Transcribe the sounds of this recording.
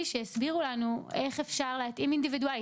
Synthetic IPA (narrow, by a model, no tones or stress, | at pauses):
iʃeesbiʁulanue̞χefʃaʁleat̪imindividuali